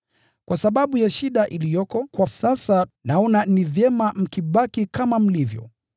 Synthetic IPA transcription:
kwasaɓaɓujaʃiɗaʔilijɔkɔkwasasanaɔnanivjɛmam̩kiɓakikamam̩livjɔ̰

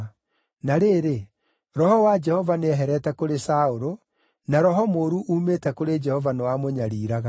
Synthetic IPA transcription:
naɾeːɾe | ɾɔhɔwad͡ʒɛhɔvaneɛɦɛɾɛtɛkoɾesaoɾo | naɾɔɦɔmoɾuʔuːmetɛkoɾed͡ʒɛhɔvanewamoɲaɾiːɾaɣa

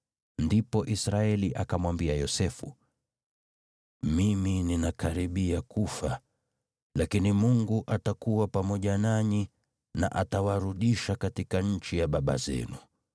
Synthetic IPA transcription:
ndipɔʔisɾaɛliʔakamwambiajɔsɛfṵ | mimininakaɾiɓiakufa | lakinimuŋɡuʔatakuwapamɔʄanaɲi | na̰ʔatawaɾuɗiʃakatikaɲ̩t͡ʃijaɓaɓa̰zɛ̰nu

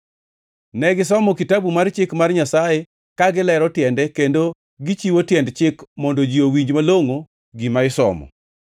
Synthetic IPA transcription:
nɛɡɪsɔmɔkitabumart͡ʃɪkmarɲasaje | kaɡɪlɛɾɔtjɛndɛkendo | ɡɪt͡ʃiwotjɛndt͡ʃɪkmɔndɔd͡ʒiowiɲd͡ʒmaloŋo | ɡɪmaɪsɔ̰mɔ̰

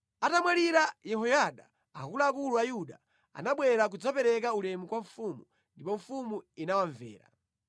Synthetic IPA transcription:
atamwaliɾajɛɦɔjaɗa | akulaːkuluajuɗa | a̰naɓwɛɾak̬ud͡zɔpɛɾɛk̬aulɛmukwaɱfumu | ndipɔɱfumuinawaɱvɛ̰ːɾa̰

